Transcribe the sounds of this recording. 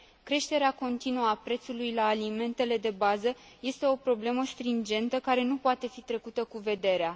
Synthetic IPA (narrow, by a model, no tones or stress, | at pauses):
kɾe̞ʃt̪e̞ɾeako̞nt̪inuəapɾe̞t̪sulujlaːlime̞nt̪e̞le̞d̪e̞bazəje̞st̪e̞o̞pɾo̞ble̞məst̪ɾind͡ʒe̞nt̪əkaɾe̞nupoat̪e̞fit̪ɾe̞kut̪əkuve̞d̪e̞ɾea